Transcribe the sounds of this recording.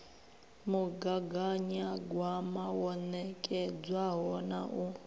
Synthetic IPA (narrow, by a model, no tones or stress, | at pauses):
muɡaɡaɲaɡwamawɔnɛkʼɛd͡zwaɦɔna̰ʔu